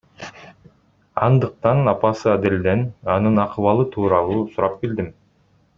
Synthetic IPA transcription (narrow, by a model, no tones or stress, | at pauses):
ɑ̰nd̪ɯq̚t̪ɑnɑpɑsɯad̪eld̪enɑnɯnɑqʰɯβɑlˠɯt̪ʰuːɾɑlˠuːsuɾɑp̚ɡild̪im